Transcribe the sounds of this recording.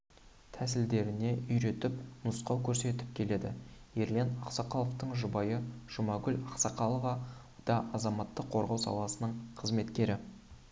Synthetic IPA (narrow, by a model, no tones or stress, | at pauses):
t̪ʰæs̬ɪld̪e̞ɾɪne̞ʔʏjɾe̞t̪ɪpnʊsqɑwkʲʰɵɾse̞t̪ɪ̥p̚kʲʰe̞le̞d̪ɪ̰je̞ɾlenɑqsɑqʰɑlˠəft̪əɴʒʊbɑjəʒ̥ʊmɑɡʲʏlʲɑqsɑqɑlˠəvɑ | d̪̥ɑʔɑzɑmɑt̪ːəqʰːo̞ɾʁɑwsɑ̰lˠɑsənəɴqʰəzme̞t̪kʲe̞ɾɪ